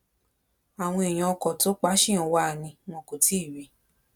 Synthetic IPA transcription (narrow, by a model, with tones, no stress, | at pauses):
a˨w̃ɔ̃˧e˨j̃ã˧ɔ˧kɔ˨to˨˦k͡pa˦ʃĩ˦ɔ̃˨˧wa˦˨nĩ˧w̃ɔ̃˧ko˨ti˦˨wi˧˦